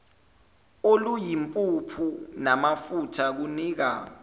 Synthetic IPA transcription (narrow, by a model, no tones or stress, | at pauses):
olujimpʼupʰunamafutʰak̬uniːk̬a̰